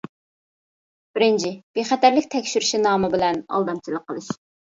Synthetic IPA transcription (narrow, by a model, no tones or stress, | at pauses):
b̥ɪɾɪnt͡ʃʰɪb̥eχɛt̪æɾlɪkʲt̪ʰɛkʲʃyɾɪʃinɑːmɨbɪlɛnɑ̰lˠd̪ɑmt͡ʃʰilˠəqʰːəlˠɨʃ